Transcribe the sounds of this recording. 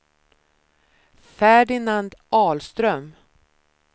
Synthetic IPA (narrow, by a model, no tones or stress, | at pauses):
fæɖɪnand̪ʔɑːlst̪ɾœm